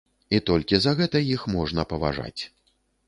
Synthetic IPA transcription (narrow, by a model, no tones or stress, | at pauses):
it̪ɔlʲkʲizɐɣɛt̪ɐjixmɔʐnɐpɐva̰ʐa̰t͡sʲ